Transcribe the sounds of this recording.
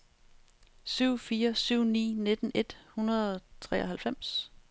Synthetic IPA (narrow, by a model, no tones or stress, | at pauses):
syʊ̰fiːɐsyʊ̰nḭːne̝d̥ən̩e̝d̥hunɐðˠɒ̽t͡sʰʁɛ̰ːɒɦælfem̰s